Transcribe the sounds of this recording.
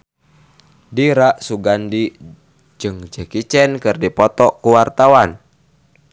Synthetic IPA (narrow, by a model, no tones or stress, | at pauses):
diɾaʔsuɡandi | d͡ʒɨŋd͡ʒəkit͡ʃɛnkɨrdipɔt̪ɔkuwart̪awan